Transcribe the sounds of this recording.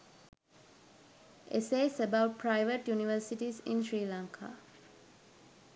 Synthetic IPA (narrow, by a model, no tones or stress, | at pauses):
ʔeseːsəbaʊʈ̚pʰɾaɪʋəʈjuniʋəɾsiʈisḭ̃nʃɾiːlãŋkʰa̰ː